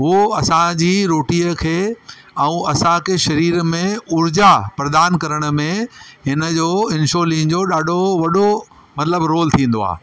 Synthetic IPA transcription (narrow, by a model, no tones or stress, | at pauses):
ɦoɐsãd͡ʑiːɾoːʈiːəkʰeː | ɐ̃ːɐsãkʰeːʃɐɾiːɾmẽʊɾd͡ʑapɾɐd̪aːnkɐɾəɽ̃ə̆mẽɦɪnəd͡ʑoːɪ̃nʃoːlĩːŋd͡ʑoɗaːɖʱoʋɐɗo | mɐt̪ləbɾoːlt̪ʰĩːn̆d̪oa̰ː